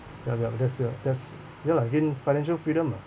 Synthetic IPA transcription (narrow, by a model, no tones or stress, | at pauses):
japjapdɛtsədɛts | dɛlaɪkĩnfaɪnɛ̃nʃəlfɹiɾə̃ma